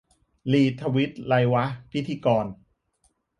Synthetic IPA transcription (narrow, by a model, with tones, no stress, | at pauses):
liː˨˩t̪ʰːa˧wi˦˥t̪̚la˧jwa˦˥pʰi˦t̪ʰːiː˧kɔː˧n